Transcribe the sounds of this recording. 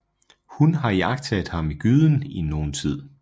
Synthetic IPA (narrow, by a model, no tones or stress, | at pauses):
hunɦɑ̈iɑ̈ɡ̥̚t͡sʰɛd̥ˠhɑ̈miɡ̥yð̞ˠn̩ino̝ːn̩t͡sʰið̰ˠ